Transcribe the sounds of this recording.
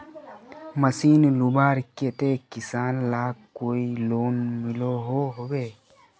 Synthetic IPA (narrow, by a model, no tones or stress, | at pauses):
məsiːnlubaːɾket̪ekɪsaːnlaːkoːiloːnmɪloɦoɦoːɡee